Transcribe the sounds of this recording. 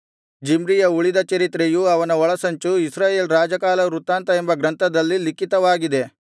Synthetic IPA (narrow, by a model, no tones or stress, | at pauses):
d͡ʒimɾijɐuɭid̪ɐt͡ʃɐɾit̪ɾejuɐʋɐnɐɔɭɐsɐɲt͡ʃuisɾaːje̞ːlɾaːd͡ʒɐkaːlɐɾut̪ːaːnt̪ɐembɐɡɾɐnt̪ɐd̪ɐlːilikit̪ɐʋaːɡid̪e̞